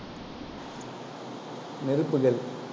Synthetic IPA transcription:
nɪɾɯpːɯɣɐɭ

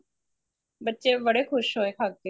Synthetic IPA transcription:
bətːʃebəɽexʰʊʃɦoːekʰaːkːeː

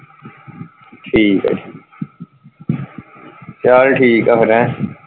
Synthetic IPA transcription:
ʈʰiːkɛ̰ʈʰiːk | t͡ʃaːlʈʰiːkɐfəɾɛ̃ː

